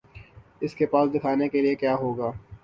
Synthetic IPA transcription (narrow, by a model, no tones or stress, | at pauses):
ɪskepaːsd̪ɪkʰaːnekeliekjaːɦoːɡaː